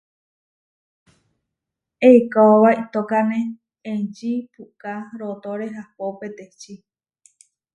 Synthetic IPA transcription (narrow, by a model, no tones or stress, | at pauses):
ekaoβait̪okanẽ | ed͡ʒipukaɾot̪oɾeɦapopet̪et͡ʃi